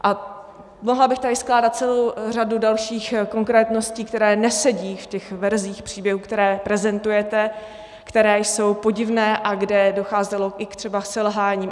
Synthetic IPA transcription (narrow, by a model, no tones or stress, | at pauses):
ʔa | moɦlabɪxt̪adɪsklaːdat̪̚t͡sɛlo̞wr̝adudalʃiːxko̞ŋkɾɛːt̪no̞sciːkt̪ɛɾɛːnɛsɛɟiːfcɛxvɛɾziːxpr̥iːbjɛɦuːkt̪ɛɾɛːpɾɛzɛnt̪ujɛt̪ɛ | kt̪ɛɾɛːjso̞wpo̞ɟɪvnɛːʔaɡdɛdo̞xaːzɛlo̞ʔɪkt̪r̥ɛbasɛlɦaːɲiːm